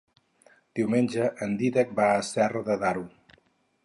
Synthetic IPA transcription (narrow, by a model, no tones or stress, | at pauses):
d̪̥iwmenʲd͡ʒəʔənd̪iɾək̚baəsɛrðəðaɾu